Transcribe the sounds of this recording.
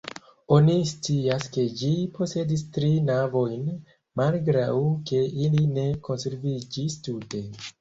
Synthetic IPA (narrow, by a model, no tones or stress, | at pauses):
onist͡siaske̞d͡ʒipʰo̞se̞distɾinavo̞jn | malɡɾawke̞iline̞ko̞nse̞ɾvid͡ʒistute̞